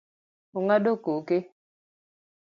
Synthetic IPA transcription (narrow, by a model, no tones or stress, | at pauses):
uŋaɗokoke